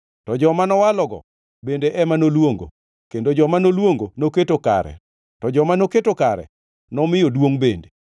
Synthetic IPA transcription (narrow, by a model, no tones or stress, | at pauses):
tɔd͡ʒɔmanɔwalɔɡɔ̰ | bendeʔɛmanolwoŋɡo̰ | kendod͡ʒɔmanolwoŋɡonoketoka̰ɾɛ̰ | tɔd͡ʒɔmanoketokaɾɛ̰ | nɔmɪjodwoŋbende